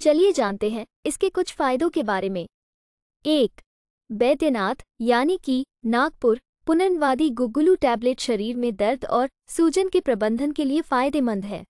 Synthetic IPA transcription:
t͡ʃɐlied͡ʒaːnt̪eɦɛ̃ | ɪskekʊt͡ʃʰfaːɪd̪õkebaːɾemẽ | eːk | bɛːd̪jənaːt̪jaːniki | naːɡ̚pʊɾ | pʊnənʋaːd̪iɡʊɡʊluʈɛːbleːʈʃɐɾiːɾmẽd̪ɐɾd̪ɔːɾ | suːd͡ʒənkepɾɐbə̃nd̪ʱənkeliefaːɪd̪emɐ̃nd̪ɦɛ̰ː

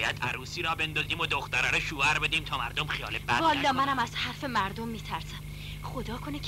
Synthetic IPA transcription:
jæd̪̥æɾuːsiːɾɒːbend̪ɒːziːmod̪oxt̪æɾɒːɾɔʃuːæɾbed̪iːmt̪ʰɒːmæɾd̪omxijɒːlebæ̰bɒːlːɒːmænæmæz̥hæɾfemæɾd̪omːiːt̪ʰæɾsæm | xod̪ɒːkʰone

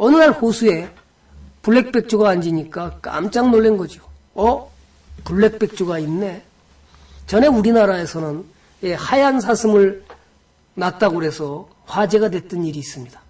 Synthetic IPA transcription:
ʌnɯnaɭhosʰue̞ | puɭːe̞k̚p͈e̞k̚t͡ɕ͈ʰoɡaːnd͡ʑiɲik͈ak͈a̰mt͡ɕ͈aŋnoɭːenɡʌd͡ʑio | ʌ | puɭːe̞k̚p͈e̞k̚t͡ɕ͈ʰoɡainːe̞ | t͡ɕʌne̞uɾinaɾae̞sʰʌnɯn | jehajans̬ʰasʰɯmɯɭ | nat̚t͈aɡoɾe̞sʰʌ | hwad͡ʑe̞ɡadwe̞t͈ɯniɾiːs͈ɯmɲid̥ḁ

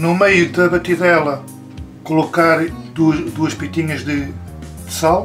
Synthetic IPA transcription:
numejuðɐβɐt̪iðɛlˠɐ | kulˠukaɾd̪ud̪uɐʃpit̪iɲɐʒðɨ | d̪ɨsalˠ

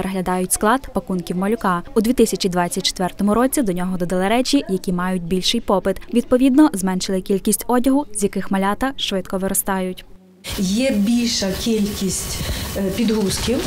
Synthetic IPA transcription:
peɾɐɦlʲɐd̪ɑjʊtʲsklˠɑd̪pɐkunkʲiwmɔlʲʊkɑud̪ʲʋʲit̪ɪsʲɐt͡ʃid̪ʋɑt͡sʲːɐt̚ʲt͡ʃːe̥t̪ʋɛrt̪ɔmʊɾɔt͡sʲid̪ɔnʲɔɦɔd̪ɔd̪ɐlˠɪɾɛt͡ʃʲijɐkʲimɑjʊt̚ʲbʲilʲʃɪjpɔpɪt̪ʋʲid̪̚pɔʋʲid̪nɔzmɛnʃɪlˠɪkʲilʲkʲisʲtʲɔdʲɐɦʊzʲjɐkɪxmɐlʲɑt̪ɐʃʋɪt̪kɔʋɪɾɔst̪ɑjʊtʲ | jɛbʲilʲʃɐkʲilʲkʲisʲtʲpʲid̪ɦuskʲiw

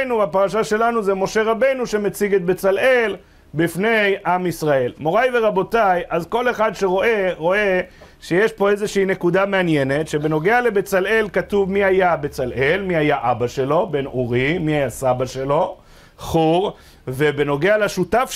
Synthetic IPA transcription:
nuvapaʁaʃaʃe̞lanuzemo̞ʃe̞ʁabe̞jnuʃe̞met͡siɡet̪̚bet͡salʔe̞l | bifne̞jʔamisʁae̞lmo̞ʁajveʁabo̞tajʔazko̞le̞χad̪ʃeʁoʔeʁo̞e | ʃejeʃpo̞ezeʃeine̞kud̪ameanjene̞tʃe̞be̞no̞ɡeale̞bet͡sale̞lkat̪uvmiajabe̞t͡salʔe̞lmiajaʔabaʃe̞lo̞be̞nuʁimiajasabaʃe̞lo̞ | χuʁ | ve̞be̞no̞ɡealaʃut̪af

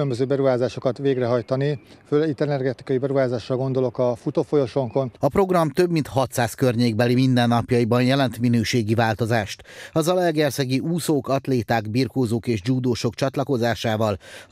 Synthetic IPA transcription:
ømbøzøːbɛɾuɦaːzaːʃo̞kɒt̪ʋeːɡrɛɦɒjt̪ɒniføːlɛɡit̪ːɛnɛrɡɛt̪i̥kɒjibɛɾuɦaːzaːʃːɒlɡo̞nd̪o̞lo̞kɒfut̪oːfojo̞ʃo̞ŋko̞nɒpro̞ɡrɒmt̪ø̞bmint̪hɒt̪saːskørɲeːɡ̚bɛlimind̪ɛnːɒpjɒjibɒnjɛlɛnt̪minøːʃeːɡivaːlt̪o̞zaːʃt̪ɒzɒlɛrɡɛrsɛɡiʔuːsoːkɒt̪leːt̪aːɡbirkoːzoːkeːʒd͡ʒuːd̪oːʃo̞kt͡ʃɒt̪lɒko̞zaːʃaːvɒl

